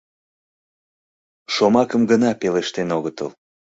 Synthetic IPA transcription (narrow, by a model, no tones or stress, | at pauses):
ʃomɑkəmɡənɑpeleʃt̪enoɣət̪ə̰l